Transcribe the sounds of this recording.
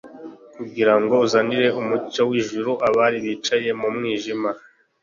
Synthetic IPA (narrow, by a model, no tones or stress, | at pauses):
kuɡiɾaŋɡo̞uzaːniɾe̞umucowiːʒuɾuʔaβaɾiβiːt͡ʃaje̞mumŋiːʒima